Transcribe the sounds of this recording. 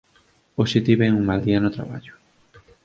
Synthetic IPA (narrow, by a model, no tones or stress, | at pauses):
oʃet̪iβeŋuŋmald̪ianot̪ɾa̰βa̰ʎʊ̥